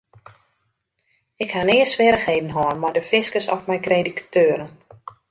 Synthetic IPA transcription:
ɪkhanɪːəsʋɪəɾəxheːdən̩ɦɔːnmardəfɪskəsɔfmɛjkrejdikḁtʰøːɾən

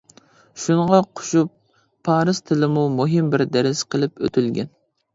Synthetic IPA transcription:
ʃuɴəʁɑqʰʊ̥ʃupʰː | ɑːɾɨzt̪ʰɪlɪmumuɦɪmbɪɾd̪æɾɪsqʰəlˠɪpø̰t̪ʰylɡʲɛ̰n

